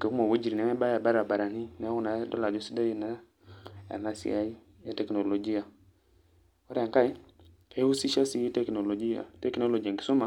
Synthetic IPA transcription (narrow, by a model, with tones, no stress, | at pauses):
ke˨kmo˨wo˦d͡ʒi˨ɾi˨nɛ˨˦ŋa˦ba˦ja˨ba˦ɾa˨ba˨ɾa˨ni˦nɛ˨a˦wu˦na˨˦dɔ˦la˨d͡ʒɔ˦si˦da˦ji˦na˦ | a̰˨la˦sḭ˦a˦i˦ | ja˦tɛ˨kno˨lo˨d͡ʒi˦a˨ | ɔ˦ɾa˨ŋka˦j | e˦u˦si˦ʃa˦si˦ji˦tɛ˦kno˨lo˨d͡ʒi˦ja̰˨tɛ˦kno˦lo˨d͡ʒi˨a˨ŋki̥˨su˦ma˨˦